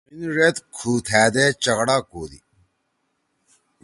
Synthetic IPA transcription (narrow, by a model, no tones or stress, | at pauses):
inʐet̪kʰuːt̪ʰæːd̪et͡ɕɐɣɽaːkoːd̪ḭ